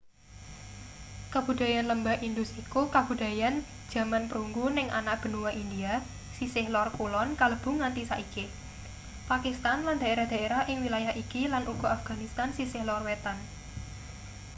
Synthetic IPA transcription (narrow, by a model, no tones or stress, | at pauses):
kəb̥ṳd̪̥a̤janləmbaʔind̪usikukab̥ṳd̪̥a̤jan̥ | d͡ʒ̥ä̤manpəɾuŋɡunɪŋʔa̰naʔb̥ə̤nuwaʔind̪ia | sisɪhlɔrkulɔnkaləb̥ʊ̤ŋant̪isaʔike | pakist̪anland̪a̤eɾahd̪̥a̤eɾaɦʔɪŋwilajahʔikilanʔuɡ̥ɔ̤afɡ̥a̤nist̪ansisɪhlɔrwet̪an